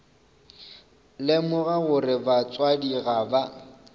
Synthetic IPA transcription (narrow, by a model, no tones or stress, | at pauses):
lɪmʊɣaɣʊrɪbat͡sʼwadiɣaba